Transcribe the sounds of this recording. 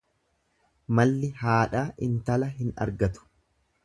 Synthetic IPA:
mɐlːɪhaːᶑaːʔɪnt̪ɐlɐɦɪnɐ̰ɾɡɐt̪ʊ̥

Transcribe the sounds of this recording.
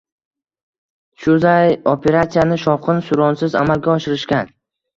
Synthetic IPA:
ʃʊzajopʰe̞ɾat̪sijanɪʃɒqʰɨnsʊɾɒnsɪza̰malɡʲaɒʃɪɾɪʃkʲan

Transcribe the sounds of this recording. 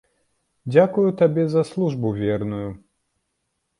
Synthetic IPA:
d͡zʲakujut̪abʲɛzɐslˠuʐbuvʲɛrnuju

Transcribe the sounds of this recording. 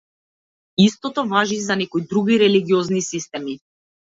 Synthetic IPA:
ist̪ɔt̪ɔvaʒizanɛkɔjid̪ɾuɡiɾɛliɡiɔznisist̪ɛmi

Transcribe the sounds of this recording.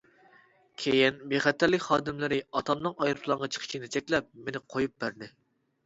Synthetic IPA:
kʲʰejinbeχɛt̪ʰːæɾlɪkʲχɑːd̪ɪmlɪɾɪɑt̪ʰɑmnnɨŋɑjɾɨp̪ʰlˠɑɴʁɑt͡ʃʰə̥qʰə̥ʃʰinɪt͡ʃʰɛkʲlɛp̚menɪqʰojup̚bæɾd̪ɪ

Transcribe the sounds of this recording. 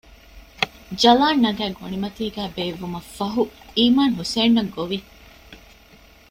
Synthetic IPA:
d͡ʒɐlaːnːɐɡæːɡoɳimɐt̪iːɡæːbeːʋːumɐfːɐɦuiːmaːnɦuseːnːɐɡoʋi

